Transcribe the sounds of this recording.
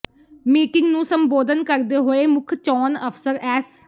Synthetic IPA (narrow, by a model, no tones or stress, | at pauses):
miːkɪŋɡnũːsəmboːd̪ənkəɾd̪eːɦoːeːmʊkʰt͡ʃɔːnəpʰsəɾɛːs